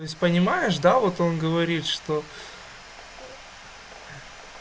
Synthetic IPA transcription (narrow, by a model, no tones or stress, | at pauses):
oɪsʲpənʲɪmajɪʂd̪avo̞t̪o̞nɡəvɐɾʲit̪ʂt̪o̞